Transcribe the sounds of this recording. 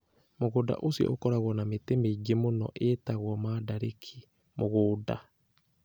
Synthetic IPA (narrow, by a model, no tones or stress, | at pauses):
moɣoda̰ʔosjɔ̰ʔo̰kɔɾaɣwɔnametemeiɡemonɔ̰ʔetaɣwɔmadaɾekʰi̥ | moɣoːda̰